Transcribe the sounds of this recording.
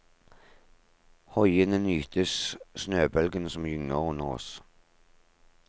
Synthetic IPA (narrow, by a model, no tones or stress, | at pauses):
hɔjənənyːt̪ʰəssnøːbœlɡənsɔmjʏŋnəʁʉnːəʁɔ̰s